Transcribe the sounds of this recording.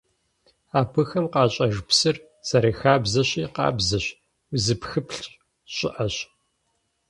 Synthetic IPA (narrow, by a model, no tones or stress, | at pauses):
aːpʰɨxɐmqɑːɕʼɐʒpsɨr | z̥aɾiːxaːbzɐɕiːqɑ̰ːbzɐɕ | zɨpxɨpʰɬ | ɕʷʼɪʔɐɕ